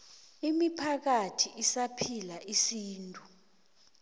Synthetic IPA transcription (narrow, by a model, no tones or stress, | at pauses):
imipʰak̬atʰiisapʰilaʔisiːntʼu